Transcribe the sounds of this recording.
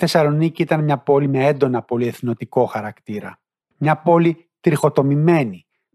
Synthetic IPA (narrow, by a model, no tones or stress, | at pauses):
θe̞sɐlo̞niciit̪ɐnmɲɐpo̞lime̞end̪o̞nɐpo̞lie̞θno̞t̪iko̞xɐɾɐkt̪iɾɐ̰ | mɲɐpo̞li | t̪ɾixo̞t̪o̞mime̞ni